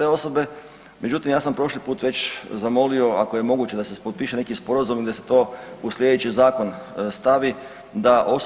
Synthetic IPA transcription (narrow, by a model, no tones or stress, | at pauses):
eo̞so̞be̞ | mʔe̞d͡ʑut̪imjaːsampɾo̞ʃlipuːt̪ʋe̞t͡ɕzamo̞lio̞ako̞je̞mo̞ɡut͡ɕe̞d̪asepot̪̚piːʃene̞kispo̞ɾazumid̪ase̞̥t̪o̞ːuslje̞d̪et͡ɕizaːko̞nst̪aʋi | d̪aʔo̞s